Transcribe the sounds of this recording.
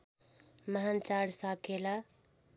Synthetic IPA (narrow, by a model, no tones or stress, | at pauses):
məɦant͡ʃaɽsakela